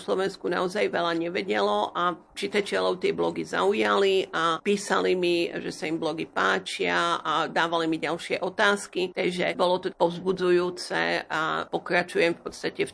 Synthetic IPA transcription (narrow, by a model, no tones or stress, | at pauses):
slɔʋɛnskuna̰ɔzajʋɛlaɲɛʋɛɟɛlɔʔa | t͡ʃit̪at͡ʃɪalɔʊt̪ɪɛblɔɡiza̰ujaliʔapiːsalimiʒɛsaimblɔɡipaːt͡ʃɪaad̪aːʋalimiɟalʃɪɛʔɔt̪aːskit̪ɛjʒɛbɔlɔt̪ɔpɔʊzbud͡zujuːt͡sɛ̰a̰pɔkɾat͡ʃujɛmfpɔt̪st̪acɛf